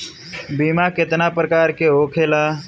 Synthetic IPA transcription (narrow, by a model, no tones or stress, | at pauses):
biːmakɪt̪napɾəkaːɾkeoːkʰeːla